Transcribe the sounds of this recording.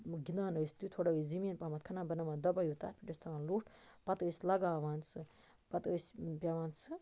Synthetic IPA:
ɡinaːnɐst̪ut̪ʰoɽɐizimiːnpamɐt̪̚kʰɐnãːbɐnɐmad̪ɐbɐjut̪a̰ːt̪̚pʰʲiʈist̪ʰaːnluːʈʰ | pɐt̪əsʲlɐɡaːʋaːnsɨ | pɐt̪əspʲjaʋaːnsɨ

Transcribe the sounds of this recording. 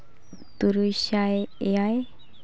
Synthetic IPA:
t̪uɾujɕajaj

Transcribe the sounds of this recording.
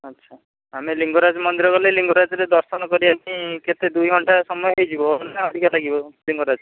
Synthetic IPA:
ʌtːʃʰa | ameliŋɡoɾad͡ʒmɔnd̪iɾɔkɔleliŋɡoɾad͡ʒɔɾed̪ɔɾsɔnɔkɔɾiamiket̪ed̪ujɡʱɔɳʈasɔmɔjɔɦejd͡ʒʰibɔnaɔd̪ʱikɔlʰaɡibɔliŋɡoɾad͡ʒ

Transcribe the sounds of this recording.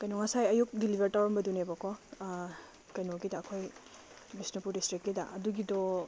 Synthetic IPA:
kɐjnɔŋɐsajɐjuk̚dilibʱeɾtawɾɐmbɐdunebɐkʰɔ | kɐjnoɡidɐːkʰoj | bisnipuɾdistɾikːidɐʔɐduɡidɔ

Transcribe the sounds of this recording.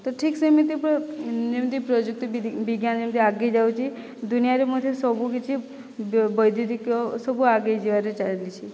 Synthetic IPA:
t̪oʈʰiksəmit̪ipd͡ʒemt̪ipɾɔd͡ʒək̚t̪ibiɡjand͡ʒemt̪iaɡejd͡ʒaut͡ʃʰi | d̪unijaɾemud̪ʰesɔbukit͡ʃʰi | bəjd̪ʱiɾikosəbuaɡaid͡ʒeʋaɾet͡ʃaɭelit͡ʃʰi

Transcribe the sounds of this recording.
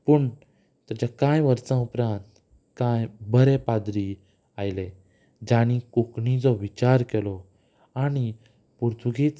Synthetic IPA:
pəɳ | t̪at͡ɕakãjʋəɾt͡sãupɾãnt̪ | kãjbəɾepad̪ɾi | ajle | d͡ʑaɽ̃ikukɳĩd͡zɔʋit͡ɕaɾkelɔ | aɽ̃i | puɾt̪ʰuɡit͡s

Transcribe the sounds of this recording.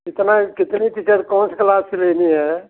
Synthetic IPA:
kɪt̪nakɪt̪nit̪it͡ʃəd̪kɔnsklasileniɦɛ

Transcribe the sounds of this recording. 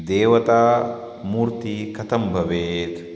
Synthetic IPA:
d̪eːwɐt̪aː | mʊɾt̪iːkɐt̪ɐmbɐbeːt̪

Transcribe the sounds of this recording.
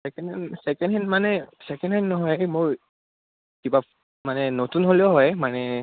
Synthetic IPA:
sɛkɛnsɛkɛndɦɛnmanɛsɛkɛ̃ndɦɛnːɔɦɔjmoɹ | kiba | manɛnotunɦoleoɦɔjmanɛ

